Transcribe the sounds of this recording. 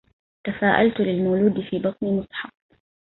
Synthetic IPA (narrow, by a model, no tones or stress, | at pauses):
t̪afaːʔa̰lt̪lɪlmaːluːd̪ɪfiːbɑt̪ˤniːmʊsħɑb